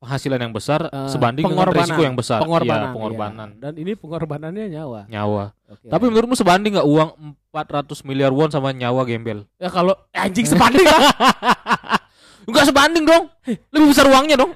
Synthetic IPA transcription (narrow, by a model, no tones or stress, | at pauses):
pəŋɦasilanjaŋbəsarsəbandɪŋpəŋrisikojaŋbəsa̰rəəŋorbapəŋo̰rba̰na̰ndaninipəŋɔrbananɲaɲawaɲa̰wa̰ | t̪apimənuɾʊt̪̚musəbandɪŋɡaʔuaŋəmpat̪̚rat̪ʊsmiliarwɔnsamaɲawaɡɛmbɛljakaloaɲd͡ʒɪŋsəbandɪŋa | ŋɡaʔsəbandɪŋdɔŋ | ləbihbəsaɾuaŋɲadɔŋ